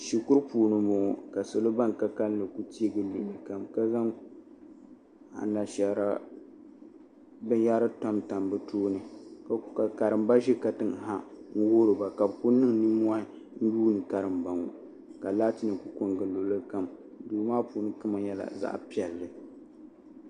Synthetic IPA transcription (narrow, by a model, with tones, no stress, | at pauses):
ʃi˨kʊ˦ɾpuː˨nɨ˦mʊ˨ka˨so˨lo˦ba˦nka˦ka˦lnɨ˨ku˦ti˦e˦ɡɨ˨lu˨lɨ˨ka˨mka˦za˦ŋ | a̰˨na˨ʃɛ˨ɾa˦ | bɨ˦ja˦ɾɨ˦ta˦mta˨mbɨ˦toː˦nɨ˨ka˨ka˨ka˨ɾɨ˨mba˦ʒɛ˦ka˨tɨ˦ŋ˨ɦa˦ŋ̩˦wo˦ɾɨ˨ba˨ka˨bku˦nɨ˦ŋni˦mu˦a˦ | n̩˦juː˦nɨ˨ka˨ɾɨ˨mba˨ŋo˨ | ka˨laː˦ti˦nɨ˨ku˨ko˦ŋɡɨ˨lo˨lɨ˦ka˦m | duː˨maː˦puː˨nɨ˦kɨ˦ma˨jɛ˦la̰˨za̰˦ʔpi˦ɛ˨lːɨ˨